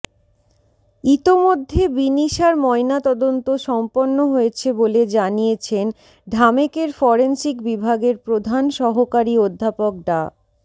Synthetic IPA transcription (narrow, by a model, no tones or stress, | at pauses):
it̪omod̪ʱːebiniʃaɾmɔenat̪ɔd̪ont̪oʃɔmponːoɦoet͡ɕʰeboled͡ʑanijet͡ɕʰen | ɖʱamekeɾfɔɾensikbibʱaɡeɾpɾod̪ʱanʃɔɦokaɾiod̪ʱːapok̚ɖa̰